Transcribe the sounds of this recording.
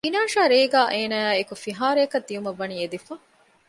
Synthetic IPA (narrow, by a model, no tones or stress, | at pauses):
inaːʃaːɾeːɡaːʔeːnaæːekufiɦaːɾeɐkɐd̪ːijumɐʋːɐniːed̪ifɐ